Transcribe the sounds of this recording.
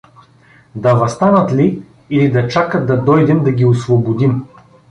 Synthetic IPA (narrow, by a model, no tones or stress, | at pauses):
d̪ɐvɐst̪anɐt̪li | ilid̪ɐt͡ʃakət̪d̪ɐd̪ɔjd̪ɛmd̪ɐɡʲiosvobod̪im